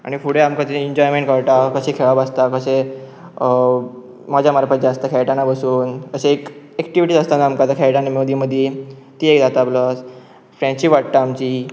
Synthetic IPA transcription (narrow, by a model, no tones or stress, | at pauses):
a̰ɽ̃ifuɽeamkat̪eiɲd͡ʑɔjmẽɳʈkəɭʈakəɕekʰeɭabast̪akəɕe | mad͡ʑʱjamaɾpəd͡ʑaast̪akʰɛjʈanabəsuːnəɕeek | ɛkʈiʋiʈizəst̪ãnamkad̪akʰɛjʈanemod̪ʱiməd̪ʱje | t̪iekd̪at̪abləs | fɾɛ̃t͡ɕiʋaʈ̚ʈaːmt͡ɕiː